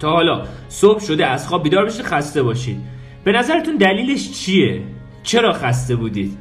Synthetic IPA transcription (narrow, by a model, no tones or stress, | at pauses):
t̪ʰɒːɦɒːlɒːsob̚ʃo̞d̪eæzχɒːb̚biːd̪ɒːɾbeʃiːd̪xæst̪e̞bɒːʃḭd̪̥̚ | b̥e̞næzæɾet̪ʰund̪æliːle̞ʃt͡ʃʰije | t͡ʃʰe̞ɾɒːxæst̪e̞buːd̪iːd̪̥